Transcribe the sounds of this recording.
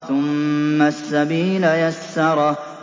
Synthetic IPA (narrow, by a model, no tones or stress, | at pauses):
θʊmːasːabiːlajasːɑɾˤɑ